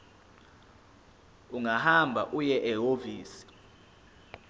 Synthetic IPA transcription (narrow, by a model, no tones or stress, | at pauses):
uŋɡahambʱa̰ʔujɛʔɛɦoviːsi̥